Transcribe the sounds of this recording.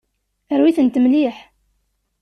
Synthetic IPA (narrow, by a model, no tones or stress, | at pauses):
əɾwiθənt̪əmliħ